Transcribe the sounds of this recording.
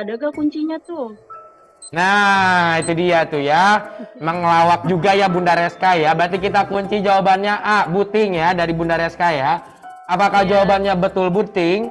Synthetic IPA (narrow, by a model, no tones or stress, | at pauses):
adaɡakuɲt͡ʃiɲat̪ʊh | nait̪udiat̪ujamaŋlawak̚d͡ʒuɡajabundaɾɛskajabəɾat̪̬ikit̪akuɲt͡ʃid͡ʒawabanɲaʔabut̪ɪŋjadaɾibundaɾɛskaja | apakahd͡ʒawabanɲabət̪ʊlbut̪ɪŋ